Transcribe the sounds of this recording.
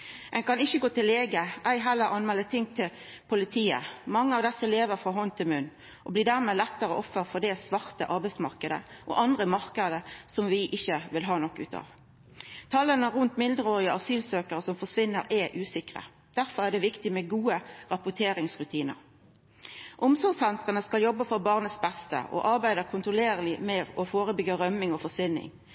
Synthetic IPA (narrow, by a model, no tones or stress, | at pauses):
ɛnkɑnɪçːəɡoːt̪ɪleːɡəʔæɪɦɛlːəɾɑnmɛːlət̪ʰɪŋt̪ʰɪl | pʰʊlɪt̪ʰiːə̰mɑŋːəɑʋd̪ɛsːəleːʋəɾfɾʁɑːɦɔnt̪ʰɪlmʉnː | ʔɔbliːd̪æʁmeːlɛt̪ːəɾəʔɔfːəʁfɔd̪ɛsʋɑʁt̪əʔɑʁbæɪtsmɑʁkəd̪ə̰ʔɔ̰ʔɑnd̪ʁəmɑʁkəd̪əsɔmʋɪʔɪçːəʋɪlɦɑːnɔkːʉ̰ːt̪ʰɑ̰ːʋ | t̪ʰɑlːənəʁʉnt̪mɪnd̪əɾoːʁɪəʔɑsyːlsøːkəɾəsɔmfɔʂʋɪnːəɾɛʔʉːsɪkʁə̰ | d̪̥æɾfɔʁæʁd̪ɛʋɪkt̪ɪmɛɡuːəʁɑpʊt̪ʰeːɾɪŋsʁʉt̪ʰiːnə̰ɾ | ʔʊmsɔʁɡsɛnt̪ʁənəskɑljɔbːəfɔʁbɑʁnət̪sbɛst̪ə̰ʔɔ̰ʔɑʁbæɪd̪əkʰʊnt̪ɾʊleːʁəlɪmɛɔfoːʁəbʏɡəɾœmːɪŋɔfɔʂʋɪnːɪ̰ŋ